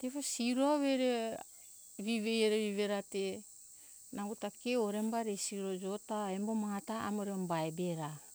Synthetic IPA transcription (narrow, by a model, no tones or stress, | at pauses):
tefosiɾuaβeɾe | βiβejeɾeβiβeɾate | naɡutakeoɾe̞mbaɾesiuɾod͡ʒo̞taembomataa̰moɾeombaebeɾa